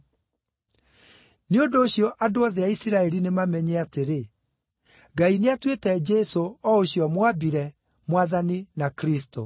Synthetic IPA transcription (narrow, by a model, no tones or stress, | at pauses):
neondoːɕjɔʔadoaðɛaisiɾaɛɾinemamɛɲɛateɾe | ɡaineatwetɛd͡ʒɛsoɔoɕjɔmwabiɾɛ | mwaðaninakɾisto